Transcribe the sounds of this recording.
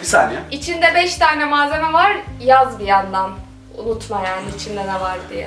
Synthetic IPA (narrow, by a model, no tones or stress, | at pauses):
bisa̰nɛit͡ʃʰind̪ɛbɛʃt̪ʰaːnɛmaːze̞mɛvaɾjazbiand̪an | ṵnut̪ʰmajaːniːt͡ʃʰind̪ɛnɛvaɾd̪ijɛ